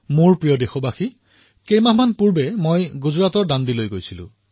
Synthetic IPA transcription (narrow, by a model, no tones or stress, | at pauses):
muɹpɹijɔdexɔbaxi | kejmaɦmanpuɹbɛmojɡuzɹatɔɹdandilojɡojsilʊ̰̃